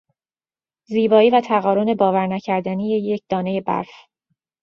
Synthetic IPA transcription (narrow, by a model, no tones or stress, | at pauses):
ziːbɒːiːvæt̪ʰæɣɒːɾone̞bɒːvæɾnæcʰæɾd̪ænije̞je̞cʰd̪̥ɒːne̞je̞bæ̰ɾf